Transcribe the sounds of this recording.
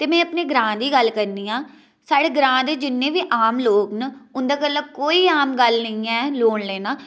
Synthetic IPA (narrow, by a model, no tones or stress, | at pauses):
t̪eːmɛ̃ːəpneːɡɾãːd̪iːɡəlkəɾniːãː | saːɽeːɡɾãːd̪eːd͡ʒɪnːẽːʋiːʔaːmloːknəʊnd̪aːkəlːəb̚koːiːaːmɡəlnəĩːɛːloːɳleːnaː